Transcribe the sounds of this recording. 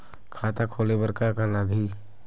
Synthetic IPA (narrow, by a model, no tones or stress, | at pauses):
kʰaːt̪akʰoːlebəɾkakalaɡʱiː